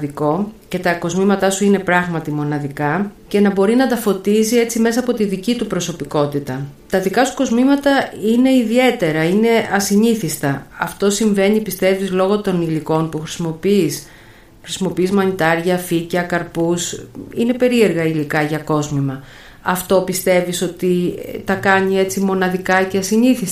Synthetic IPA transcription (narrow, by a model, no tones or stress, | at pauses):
ðiko̞ce̞t̪ɐko̞zmimɐt̪ɐsuine̞pɾɐɣmɐt̪imo̞nɐðikɐce̞nɐbo̞ɾinɐd̪ɐfo̞t̪izie̞t͡sime̞sɐːpo̞t̪iðicit̪upɾo̞so̞piko̞t̪it̪ɐ | t̪ɐðikɐsu̥ko̞zmimɐt̪ɐine̞iðie̞t̪e̞ɾɐine̞ɐsiɲiθist̪ɐɐ̰ft̪o̞siɱve̞ɲipist̪e̞vizlo̞ɣo̞t̪o̞niliko̞npuxɾi̥simo̞pis | xɾisimo̞piizmɐɲit̪ɐɾʝɐficɐkɐɾpusine̞pe̞ɾie̞ɾɣɐilikɐʝɐko̞zmimɐ | ɐft̪o̞pist̪e̞viso̞t̪it̪ɐkɐɲie̞t͡simo̞nɐðikɐceɐsiɲiθis